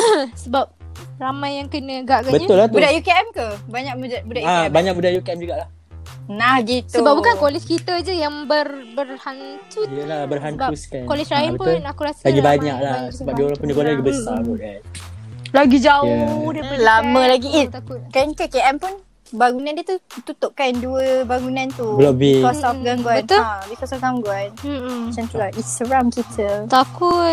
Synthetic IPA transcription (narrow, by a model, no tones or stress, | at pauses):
əsəbap̚ | ramãjːaŋkənə̃ɡaʔɡabəɲʊlahtb̪udajukeɛmkəbaɲak̚muabudaabaɲak̚mudahjukiɛmd͡ʒuɡaʔlah | nahɡit̪əubap̚bukankolɛt͡ʃkit̪əd͡ʒəjaŋbərbərhant̪uəlahbərɦant̪uskakolɛt͡ʃɾajinbəpʊnakuɾasə̥laɡibaɲaʔlahsəbap̚dioɾaŋpundiɡolaaɡibəsaoɡanlaɡid͡ʒaodiəlamə̃laɡiiakkankəkeʔɛmpun | baɡunãndiət̪ut̪ut̪ʊʔkanduəbaŋunãnt̪ubəlabiɔsɔfɡaŋɡaənabikɔsɔfɡamɡwant͡ʃant̪əlainst̪əɡɾamkit̪ʰət̪akut̪̚